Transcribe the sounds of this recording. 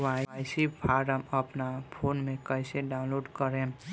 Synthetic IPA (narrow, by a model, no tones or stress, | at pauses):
ʋajsipʰaːɾəməpnapʰoːnmẽkəɪseɖaʊ̃nloːɖkəɾẽ